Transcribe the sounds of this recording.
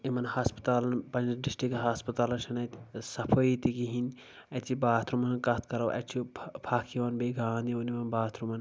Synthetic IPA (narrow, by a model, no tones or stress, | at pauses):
imɐnhaːspɐ̥t̪aːlɐnpɐnɐɖisʈɾikɦaːspɐt̪aːlɐnʃʰɐnɐt̪sɐpʰoit̪ikiɦin | ɐt̪ʰibaːt̪ʰɾumɐnkɐt̪̚ʰkɐɾɐwʔɐ̰t͡ʃʰipʰakʰiʋɐnbeɡʱaːnd̪ionimɐnbaːt̪ʰɾumɐn